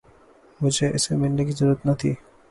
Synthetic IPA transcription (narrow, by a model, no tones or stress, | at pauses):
mʊd͡ʒʱeʔɪsemɪlnekizɐɾuːət̪nɐt̪ʰḭː